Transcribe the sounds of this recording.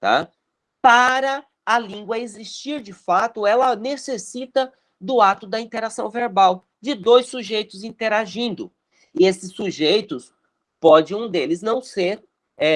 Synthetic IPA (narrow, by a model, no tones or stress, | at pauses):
t̪a̰ | paɾɐ | ɐlĩŋɡwɐezist͡ʃiɾd͡ʒɪfat̪ʊɛlɐnesesit̪ɐ | d̪ʊat̪ʊd̪ɐĩnt̪eɾasɐ̃w̃veɾbaw | d͡ʒɪd̪ojsːuʒejt̪ʊzĩt̪eɾaʒĩnd̪ʊ | ɪesɪsːuʒejt̪ʊs | pɔd͡ʒɪũd̪elɪznɐ̃w̃seɾ | ɛ